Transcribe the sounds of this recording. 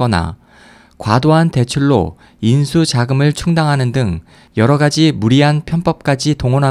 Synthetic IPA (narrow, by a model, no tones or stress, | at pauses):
ʌna̰ | kwadoɦante̞t͡ɕʰuɭːo̰ | insʰut͡ɕaɡɯmɯɭt͡ɕʰuŋdaŋɦanɯndɯŋ | jʌɾʌɡad͡ʑimuɾiɦanpʰjʌnp͈ʌp̚k͈ad͡ʑitoŋonɦa